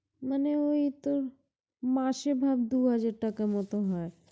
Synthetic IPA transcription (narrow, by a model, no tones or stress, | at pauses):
maneoit̪oɾ | maʃebʱabd̪uɦad͡ʑaɾʈakamɔt̪oɦaeɾ